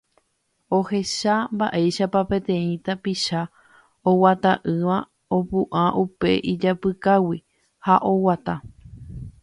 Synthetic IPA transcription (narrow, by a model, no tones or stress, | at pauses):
o̞he̞ʃambaʔe̞jʃapapẽ̞t̪ẽ̞ĩt̪apiʃa | owat̪aʔɨʋã | opuʔaʔupe̞ʔid͡ʒapɨkawi | haʔo̞wat̪a